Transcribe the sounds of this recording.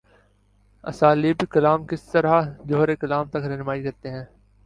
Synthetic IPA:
ɐ̰saːliːbikɐlaːmkɪst̪əɾad͡ʒoːɾeːkɐlaːmt̪ɐkɾɛɦnʊmaːikɐɾt̪eɦɛ̃ː

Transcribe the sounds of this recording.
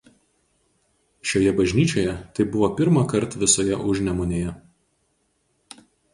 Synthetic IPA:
ʃʲoːjɛbɐʒʲnʲiːt͡ʃʲoːjɛt̪ɐɪbʊʋoːpʲɪɾmɑkɐɾˑt̪ʋʲɪsoːjɛʔʊʒʲnʲɛmʊnʲeːjɛ

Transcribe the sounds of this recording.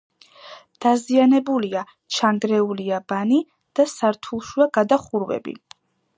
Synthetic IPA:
d̪̥azianɛbulia | t͡ʃʰaŋɡɾɛuliabani | d̪̥asaɾt̪ʰulˠʃuaɡad̪aχuɾwɛ̰bḭ

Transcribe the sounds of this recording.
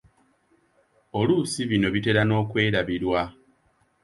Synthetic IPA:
o̞luːsiβino̞βite̞ɾano̞ːkwe̞ːɾaβiɾwa

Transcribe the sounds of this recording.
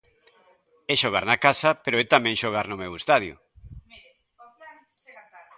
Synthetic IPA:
ɛʃoɣ̞aɾnakasɐpeɾoɛt̪amɛ̃ŋʃoɣ̞aɾnʊmewest̪aðjʊ̰

